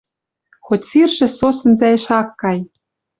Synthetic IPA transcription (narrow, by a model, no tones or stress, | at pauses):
xotʲsirʒɘ̆sosɤ̆nzæɘ̆ʃɑkːɑj